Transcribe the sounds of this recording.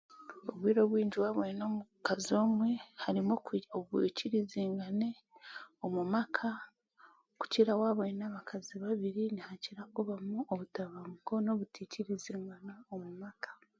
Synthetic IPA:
oβwiːɾo̞βwiːɲɟiwaβonomukazio̞ːmwe̞haɾimooβwḛːciɾiziːŋɡane̞ | omumakʰa | ku̥ciɾawaːβonaːβakʰaziβaβiɾinihaciɾakuβamuʔoβutaβamuɡono̞βutiːciɾiziːŋɡanaomumakḁ

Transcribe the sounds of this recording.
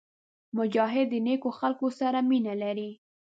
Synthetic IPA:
mʊd͡ʒɑɦɪd̪ːənekoxalkosaɾaminalaɾi

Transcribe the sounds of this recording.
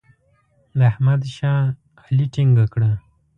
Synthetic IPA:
lahmad̪ʃa | aliʈiŋɡakɽa

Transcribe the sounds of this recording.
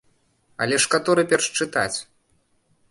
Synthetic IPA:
ɐ̰lʲɛʂkat̪ɔɾɨpʲɛrʂt͡ʂɨt̪a̰t͡sʲ

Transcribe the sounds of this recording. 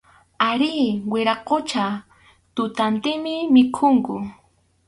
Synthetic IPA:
aɾiwɪɾaqot͡ʃa | t̪ʊt̪ant̪ɪmɪmɪkʰʊŋkʊ

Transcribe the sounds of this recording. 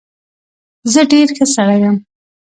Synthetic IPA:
zəɖeɾxəsaɽajəm

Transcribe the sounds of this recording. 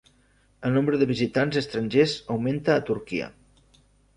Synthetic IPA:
əlˠnombɾəðəβizit̪anzəst̪ɾənʲʒezəwment̪əːt̪uɾkḭə̰

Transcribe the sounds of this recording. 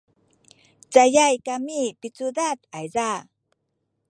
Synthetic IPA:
t͡sajajkamipit͡sudat̪ajza

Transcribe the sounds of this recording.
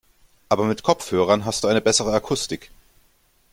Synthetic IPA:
ʔaːbɐmɪtkʰɔp͡fhøːʁ̞ɐnɦastd̥uːʔaɪnəbɛsəʁ̞əakʰʊstɪk

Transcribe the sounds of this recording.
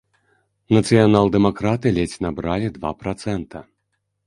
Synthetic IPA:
nɐt̪sɨjanalˠd̪ɛmakɾat̪ɨlʲɛt͡sʲnabɾalʲid̪va̰pɾat̪sɛnt̪ɐ

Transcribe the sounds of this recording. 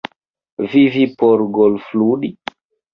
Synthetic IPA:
vivipɔɾɡɔluflud̪i

